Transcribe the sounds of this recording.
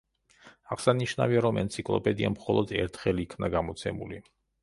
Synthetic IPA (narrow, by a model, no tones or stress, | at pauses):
aʁsaniʃnaviaɾɔmɛnt̪sʰikʼlˠɔpʼɛd̪iamχɔlˠɔd̪ɛɾt̪ʰχɛliːkʰvnaɡamɔt̪sʰɛmuli